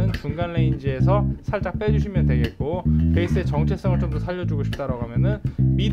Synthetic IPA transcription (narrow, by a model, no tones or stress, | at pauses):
ɯnt͡ɕuŋɡanːe̞ind͡ʑie̞sʰʌsʰaɭt͡ɕ͈ak̚p͈e̞d͡ʑuɕ̬ʰimjʌndwe̞ɡe̞t̚k͈ope̞is͈ɯe̞t͡ɕʌŋt͡ɕʰe̞s͈ʌŋɯɭt͡ɕomdʌsʰaʎːʌd͡ʑuɡoɕʰi̥p̚t͈aɾaɡoɦamjʌnɯnmi